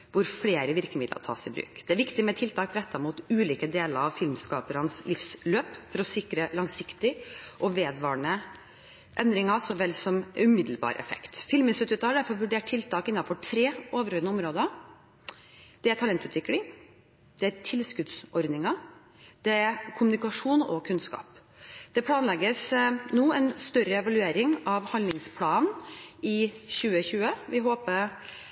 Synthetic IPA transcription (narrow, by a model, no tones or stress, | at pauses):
ʋʊɾfleːɾəʋɪɾkəmɪd̪lə̰ɾt̪ʰɑ̰ːsɪbɾʉ̰ːkd̪̥ɛæɾʋɪkt̪ɪmɛt̪ʰɪlt̪ʰɑːkɾɛt̪ːɑɾmuːt̪ʉːliːkəd̪eːləɾɑʋfɪlmskɑːpəɾɑnslɪfsløːpfɔɾɔsɪkɾəlɑŋsɪkt̪ɪʔɔʋeːd̪ʋɑːɳə | ʔɛnd̪ɾɪŋɑsɔʋɛlːsɔmʉmɪd̪l̩bɑ̰ːɾʔɛ̰fɛ̰kt̪fɪlmɪnsʉːt̪ʉːt̪ɑhɖæɾfɔɾɔʋʉɖeːʈ̚tʰːɪlt̪ʰɑːkɪnːɑnfɔʈʰɾeːoːʋəɾœɾnəɔmɾoːd̪ɑ | d̪̥ɛæɾt̪ʰɑlɛnt̪ʉːt̪ʋɪklɪŋ | d̪̥ɛæt̪ʰɪlskʉd̪sɔɾd̪nɪŋɑ | d̪̥ɛæɾkʰʊmʉnɪkɑʂuːnɔ̰kʰʉnskɑ̰ːp | d̪̥ɛpʰlɑːnlɛɡəsnuːɛnst̪œɾəɛʋɑlʉeːɾɪŋɑʋhɑnlɪŋspʰlɑːnɪçʉːəçʉːəʋɪɦoːpəɾ